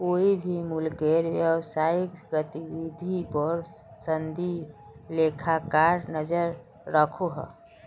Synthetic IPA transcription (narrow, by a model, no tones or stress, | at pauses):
koibʱimulkeɾʋjəwsaɪkɡət̪ibid̪ʱipɔɾ | sənd̪ʱi | lekʰakaɾnəd͡ʒəɾ | ɾəkʰoɦə̰